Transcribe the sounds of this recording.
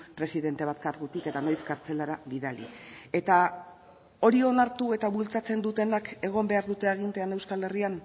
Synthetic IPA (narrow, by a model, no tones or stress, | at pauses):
pɾe̞siðe̞nt̪e̞β̞at̪̚kaɾɣut̪ike̞t̪anojskaɾt͡se̞laɾaβiðalḭe̞t̪a | o̞ɾio̞naɾt̪ue̞t̪aβult͡sat͡se̞nd̪ut̪e̞nake̞ɣ̞o̞mbe̞aɾðut̪e̞aɣ̞int̪eane̞wskale̞rian